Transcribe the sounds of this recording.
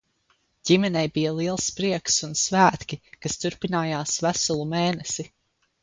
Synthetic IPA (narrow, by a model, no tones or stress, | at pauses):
ɟ̥imɛnɛjbijɐlˠiɛlˠspɾiɛksunsvæːt̪kʲikast̪uɾpinaːjaːsvæsulˠumeːnɛsi